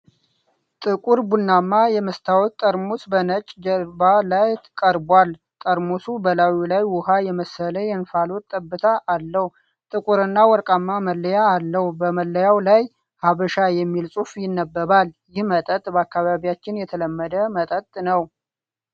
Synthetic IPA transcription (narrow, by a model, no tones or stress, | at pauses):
t̪ʼɨkʼuɾbunːamːajɛməst̪ʰawɔt̪t̪ʼːəɾmusbənət͡ʃʼd͡ʒəɾbalajt̪ʰɨkʼəɾbwal | t̪ʼəɾmosubəlawilajwʊhajɛməsələjɛnfalot̪t̪ʼːəbːɨt̪ʰaʔːlːəh | t̪ʼɨkʼuɾɨnːawɔɾkʼamːaməlːəjaːlːəhbəməlːəjawlaj | haβəʃajɛmːilsʼufjɪnːəbːəβaljɪhmət̪ʼət̪ʼbəakːaβaβjat͡ʃːɪnjɛt̪ʰələmːəd̪əmət̪ʼət̪ʼnəw